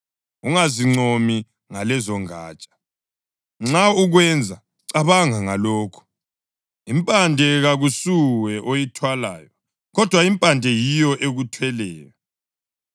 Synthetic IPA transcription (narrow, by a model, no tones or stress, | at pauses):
uŋaziŋ͡ǀomi | ŋalɛzɔŋa̰ːt͡ʃʼḁ | ŋ͡ǁauɣwɛnd͡zʱa | ǀaβaŋaŋaloːkʰu̥ | impʼandʱɛɣaɣusuwɛʔojitʰwala̰ːjɔ | ɣɔd̥ʱwaimpʼandʱɛjijɔʔeɣutʰwɛlɛːjɔ